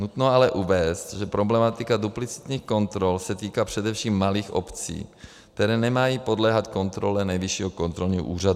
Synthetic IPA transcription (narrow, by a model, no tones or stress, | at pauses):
nut̪noalɛʔuvɛːst̪ʒɛpɾoblɛmat̪ikad̪uplit͡si̥t̪ɲiːxkont̪ɾolsɛt̪iːkaːpr̥ɛd̪ɛfʃiːmːaliːxo̰pt͡sḭː | kt̪ɛɾɛːnɛmajiːpod̪lɛːɦat̪kont̪ɾolɛnɛjviʃiːɦokont̪ɾolɲiʔṵːrad̪u